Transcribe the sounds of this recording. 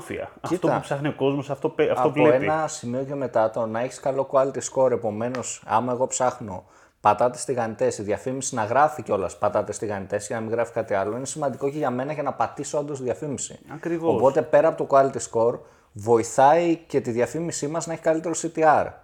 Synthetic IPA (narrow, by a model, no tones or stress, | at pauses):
fḭɐ̰ɐit̪oɐpsɐxnioko̞zmosɐft̪opeɐft̪ːooeeinɐsimio̞ce̞me̞t̪ɐt̪o̞nɐeçi̥skɐlo̞koɐlit̪isko̞ɾe̞po̞me̞no̞sɐ̰mɐe̞ɣo̞psɐxno̞ | pɐt̪ɐt̪est̪iɣɐnit̪e̞siðʝɐfimisinɐɣɾɐficeo̞lɐspɐt̪ɐt̪est̪iɣɐnit̪e̞sʝɐnɐmiŋɣɾɐfi̥kɐt̪iɐlo̞inesimɐnd̪iko̞ceʝɐme̞nɐcenɐpɐt̪isoɐnd̪os̬iðjɐfimisḭɐkɾivoospo̞t̪e̞pe̞ɾɐːpo̞t̪okoɐlit̪isko̞ɾ | vo̞iθɐice̞t̪iðʝɐfimisimɐznɐeçikɐlit̪e̞ɾosit̪iɐɾ